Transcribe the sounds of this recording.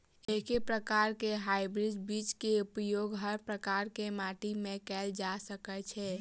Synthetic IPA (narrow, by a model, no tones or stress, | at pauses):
ekepɾəkaɾkeɦajbɾid͡ʒbit͡ʃkeupjoɡɦəɾpɾəkaɾkemaʈimẽkɛld͡ʒasəkɛt͡ʃʰɛ